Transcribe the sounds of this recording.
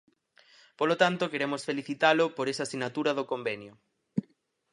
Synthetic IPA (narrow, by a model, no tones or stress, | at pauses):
polot̪ant̪okeɾemosfeliθit̪alʊpoɾesasinat̪uɾɐðokombenjo